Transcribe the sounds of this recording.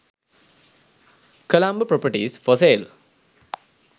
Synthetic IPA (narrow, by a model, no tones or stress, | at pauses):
kəlambəpɾopəʈiːsfɔseːl